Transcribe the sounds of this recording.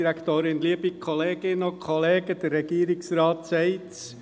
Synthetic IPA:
iɾækʰt̪oːɾɪnliəbikʰɔleːɡ̥ɪnokʰχɔleːɡəd̥̪əɾːɛɡiəɾɪksɾɑːtsɛɪts

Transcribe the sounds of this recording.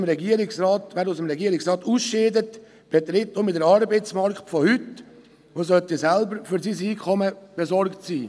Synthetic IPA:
mɾɛɡiːəɾɪksraːtvɛːɾusəmɾɛɡiəɾɪksrɑːtuːsʃeːdət | b̥et̪ɾɪtomɪtdəɾɑɾbeɪt͡smɑɾktfɔhʏt | oːsœtisɛlbəɾfyɾsiːsiːkʰɔməb̥ezɔɾktsiː

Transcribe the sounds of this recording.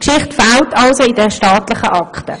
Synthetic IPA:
kʃɪχtfaltʰɑlsoidəʃtɑːtlɪχəʔɑkχtə̰

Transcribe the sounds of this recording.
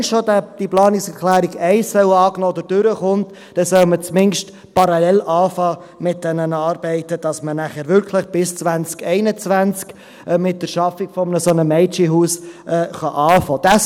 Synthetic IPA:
nʃodæd̥iplɑːnɪksɛɾklæːɾiɡɛɪsːœwɑːknoːɔd̪əɾd̥ʏɾəχʊnt | d̥ɛsœlmət͡smɪnʃt | pɑɾɑlɛlʔɑːfɑː | mɪt̚d̥ɛnənɑːɾbɛɪtəd̥ɑsmənæχæːɾʋʏɾkʰləχb̥ɪst͡svænt͡skɛɪnət͡svænt͡sk | ɛmɪt̚d̥əɾʃɑfikfɔmnəsonəmɛɪt͡ʃiɦuːsɛːχɑʔɑːfɑːd̥æ

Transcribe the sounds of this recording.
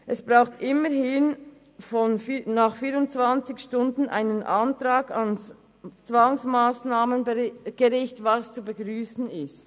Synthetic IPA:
ʔɛsb̥ʁaʊxtʔɪməhɪn | fɔnfnaːχfiːɾʊnt͡sv̥ant͡sɪçʃtʊndn̩ʔa̰ɪnənʔantʁaːɡɑns | t͡sv̥aŋsmaːsnaːmənɡ̥əʁɪçtvɑst͡subəɡʁyːsn̩ɪst

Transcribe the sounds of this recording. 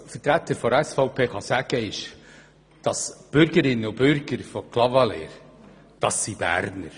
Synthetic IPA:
fətɾæt̪ːəɾfɔɾɛsfɔʊpʰeːχɑsæɡ̥əɪʃ | d̥ɑsb̥ʏɾɡəɾɪnːəʊbʏɾɡ̥əɾfɔkʰlɑvɑlḛːɾ | d̥ɑsːib̥æ̰ːɾnəɾ

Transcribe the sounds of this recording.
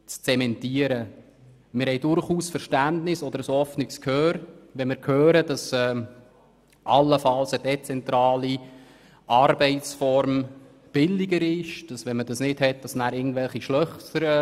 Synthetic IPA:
t͡st͡sɛmɛntiəɾə | mɪɾhɛɪdʊɾχuːsfəɾʃtændnɪsɔd̥̪əɾəshɔfnɪkskʰhøːɾʋɛnmɪːɾkʰhøːɾəd̥ɑsɛː | ʔɑlːəfɑlsəd̥ɛt͡sɛnt̪ɾɑːli | ʔɑɾbɛɪtsfɔɾm | b̥ɪlːɪɡəɾɪʃd̥ɑsʋɛnmədɑsnɪthɛt̚d̥ɑsnæːɾɪɡən̩tvɛlχiʃlœχtəɾə

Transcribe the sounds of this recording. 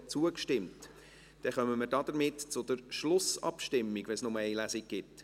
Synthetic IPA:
t͡suəkʃtɪmt | d̥ɛχœməməɾdɑːd̥̪əɾmɪtt͡sʊd̥̪əɾʃlʊsɑ̰pʃtɪmːiɡ̥ʋɛsnʊməɛɪlæsiɡ̚ɡ̥ɪt

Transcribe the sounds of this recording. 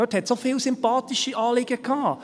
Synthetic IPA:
øthɛtsofɪːlsʏmpɑːt̪iʃiʔɑːlɪɡ̥əkʰɑː

